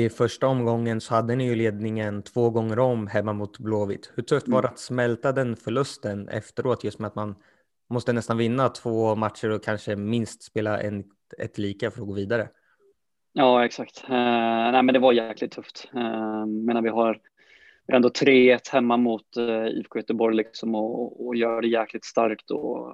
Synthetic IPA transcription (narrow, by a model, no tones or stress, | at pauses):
ɪfœʂʈaɔmɡɔŋːənsɔhad̪ːənɪjɵleːd̪̚nɪŋənt̪ʰv̥oːɡɔŋːəɾɔmɦɛmːamʊt̪bloːvɪt̪hɵʈʰɵft̪vɑːɖat̪smɛlt̪ad̪ɛnfœɭɵst̪ənɛ̰ft̪əɾʔoːt̪ʰjɵst̪mɛat̪man | mɔst̪ənɛst̪anvɪnːat̪ʰv̥oːmat̪ʂəɾɔkʰanʂəmɪnst̪speːlaʔɛ̰n | ɛ̰t̪liːkafœɾɔɡoːviːd̪aɾə̰ | jɑːɛksakt̪næɪmɛnd̪ɛvaɾjæːklɪɡ̚t̪ʰːɵft̪ɛmeːnaɾvɪɦaɾ | vɪɛnd̪ɔt̪ʰɾeːɛt̪hɛmːamʊt̪ḭːvkʰoːjœt̪əbɔɾjlɪksɔmɔːjœːɾaɖɛjæːklɪt̪st̪a̰ɾkt̪ɔ̰